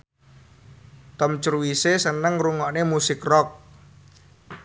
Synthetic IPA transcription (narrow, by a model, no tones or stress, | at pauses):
t̪ɔmt͡ʃruwisesənəŋruŋɔʔnemusɪkrɔk̚